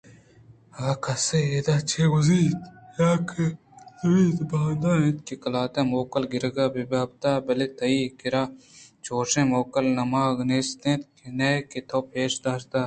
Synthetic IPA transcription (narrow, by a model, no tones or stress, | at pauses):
ɐɡaːkɐseeːd̪aːt͡ʃʰeːɡuziːt̪jaːkʰe | lɐwiːt̪baːnd̪anĩt̪kikɐlaːt̪ẽːmoːkɐlɡɪɾɡaːbibaːb̚t̪aːbɐlet̪ɐiːkiɾaːt͡ʃoːʂẽːmoːkɐlnɐmaːɡneːst̪ẽːt̪kineːkit̪ʰoːpeːʃd̪aːʃt̪aː